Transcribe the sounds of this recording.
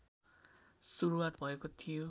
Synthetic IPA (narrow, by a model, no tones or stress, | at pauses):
suɾuwat̪bʱʌekot̪ʰijo